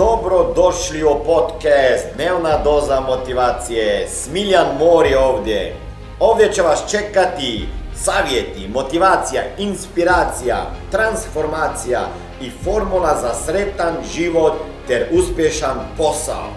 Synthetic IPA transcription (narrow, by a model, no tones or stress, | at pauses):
d̪obɾod̪oʃliɔpot̪kɛst̪d̪newnad̪oːzamot̪iʋaːt̪sijesmiljanmoːɾioːʋd̪je | oːʋd̪jɛt͡ʃɛʋast͡ʃekat̪isaːʋjet̪imot̪iʋaːt̪sijainspiɾaːt̪sija̰t̪ɾansfoɾmaːt̪sija̰ | ifoɾmulˠazasɾet̪anʒiʋot̪ːɛɾuspjeʃanposa̰o̰